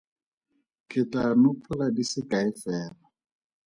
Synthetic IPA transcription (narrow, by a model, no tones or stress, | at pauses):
kʰɪtanʊpʰʊladisɪkaɪfɛːla